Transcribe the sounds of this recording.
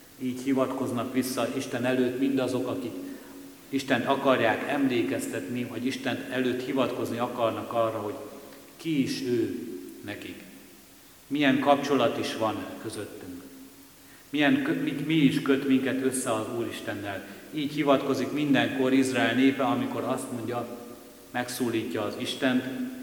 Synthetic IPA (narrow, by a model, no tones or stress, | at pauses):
iːchivɒt̪ko̞znɒkʋisːɒʔiʃt̪ɛnɛløːt̪mind̪ɒzo̞kɒkik | iʃt̪ɛnt̪ɒkɒrjaːkɛmleːkɛst̪ɛt̪nivɒɟiʃt̪ɛnɛløːt̪hivɒt̪ko̞zniɒkɒrnɒkɒrːɒɦo̞ɟ | kiːʃøːnɛkik | mijɛŋkɒpt͡ʃo̞lɒt̪iʃʋɒnkø̞zø̞t̪ːyŋk | miɛŋimiːʃkø̞t̪miŋkɛt̪ø̞sːɛɒzuːɾiʃt̪ɛnːɛliːchivɒt̪ko̞zikmind̪ɛŋko̞ɾizraɛlneːpɛɒmiko̞ɾɒst̪mo̞ɲɟɒ | mɛksuːliːcːɒːziʃt̪ɛnt̪